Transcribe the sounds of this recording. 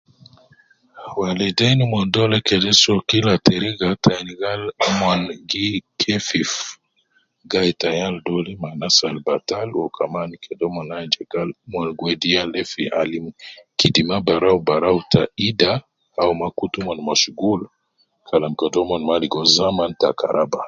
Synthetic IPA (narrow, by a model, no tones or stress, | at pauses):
walɛdɛnimwɔndɔlɛkɛdɛsɔkilatɛɾiɡataniɡalmwanɡikʰɛfif | ɡajtajaldɔlimanasalbatalwɔkʰamanikʰɛdɔmɔnad͡ʒɛɡalmwanɡwɛdialɛfiʔa̰limkidimabaɾaubaɾautʰaida | aumakutumwanmaʃuɡul | kʰalamkɛdɔmanmaliɡɔzamanta̰ka̰ɾʔaba